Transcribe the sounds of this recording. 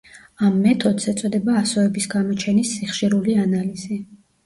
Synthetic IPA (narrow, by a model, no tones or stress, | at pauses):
amːɛt̪ʰɔd̪sɛt̪sʼɔd̪ɛbaːsɔɛbisɡamɔt͡ʃʰɛnisiχʃiɾulianaliz̥i